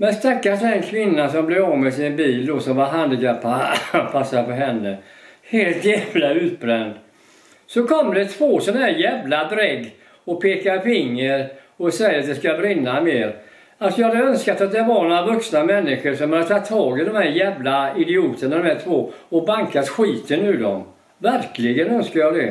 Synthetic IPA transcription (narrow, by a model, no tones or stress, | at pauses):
mɛnst̪akːasɛnkʰvɪnːasɔmblɛvɑːvmɛsɪnbiːld̪ɔsɔmvaɾɦand̪ɡapːapʰasːafɔɦɛnːəheːlt̪jɛːvlaʉ̟ːt̪̚bɾɛnd̪ | sɔkʰɔmːd̪ɛt̪ʰvoːsɔnahɦæːɾjɛːvlad̪ɾɛɡː | ɔpʰeːkaɾfɪŋːəɾ | ɔsɛjːəɾat̪̚d̪ɛskabɾɪnːameːɾ | alsɔjɑːhad̪əœnskat̪at̪̚d̪ɛvaɾnoːɾavɵksnamɛnːɪɧəɾʂɔmhad̪ət̪ʰɑt̪ʰːɑːɡɪd̪ɔmhæːɾjɛːvlaɪd̪ɪuːt̪əɳad̪ɔmhæːʈʰvoːɔbaŋkat̪ɧiːt̪ənʉ̟ːd̪ɔm | væɾklɪɡənœnskaɾjɑːd̪ɛ